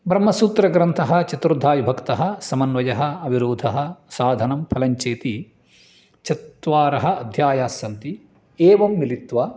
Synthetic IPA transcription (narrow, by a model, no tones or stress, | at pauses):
bɾɐmːɐsuːt̪ɾɐɡɾɐnt̪ʰɐɦɐ̆t͡ʃɐt̪ɾud̪ʱaːjubʱɐkt̪ɐɦɐ̆sɐmɐnʋɐjɐɦɐ̆ɐbʱiɾoːd̪ʱɐɦɐ̆saːd̪ʱɐnɐmpʰɐlɐɲt͡ʃeːt̪i | t͡ʃɐt̪ʋaːɾɐɦɐ̆ɐd̪ʱjaːjaːsjɐnt̪i | eːʋɐmːilit̪ʋɐ